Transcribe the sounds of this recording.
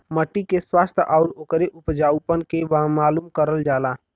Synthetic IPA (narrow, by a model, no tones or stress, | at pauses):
məʈːikeswaːst̪ʰʔɔːɾoːkəɾeʔʊpd͡ʒaːʊpənkeʋamaːluːmkəɾəld͡ʒaːlaː